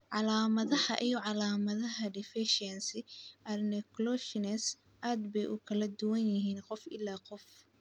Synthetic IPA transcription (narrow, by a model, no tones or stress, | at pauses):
ʕɑlaːmɐðɐhɐ̰ʔijɔʕɑlaːmɐðɐɦɐɖɪfɪʃɛnsɪʔɐrnɛklɔʃɪnɛs | ʔaːd̪bɛjʔʊkʰɐlɐd̪ʊwɐnjɪɦiːnqɔfʔɪlːaːqɔf